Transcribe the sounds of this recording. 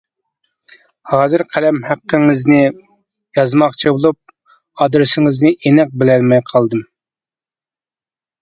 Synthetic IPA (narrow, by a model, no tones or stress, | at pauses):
hɑːzɨɾqʰælɛmhæqːəŋɪznɪ | jɑzmɑχt͡ʃʰibulˠup̚ | ɑd̪ɾsɪŋɪznɪʔenɛq̚bɪlɛlmɛjqʰɑlˠd̪ɨm